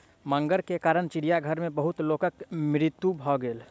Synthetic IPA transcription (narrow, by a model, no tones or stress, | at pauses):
mə̃ŋɡəɾkekaːɾəɳ̃t͡ʃɪɽijaɡʱəɾmẽbəɦʊt̪loːkəkmɾɪt̪ːubʱɔːɡeːl